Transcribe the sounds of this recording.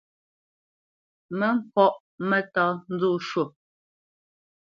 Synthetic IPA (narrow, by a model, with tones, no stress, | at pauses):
mɛ˨˦m̩˦˨kɔ˦˨ʔ | mɛ˨tɔ˨˦n̩˦d͡zu˦˨ʃwo˨